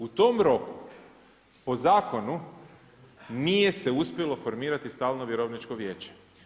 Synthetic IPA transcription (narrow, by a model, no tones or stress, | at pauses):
ut̪o̞mɾo̞ku | po̞zaːko̞nu | nije̞se̞uspʲjelo̞fo̞ɾmiːɾat̪ist̪aːlˠnoʋje̞ɾoʋnit͡ʃkoʋje̞ːt͡ɕe̥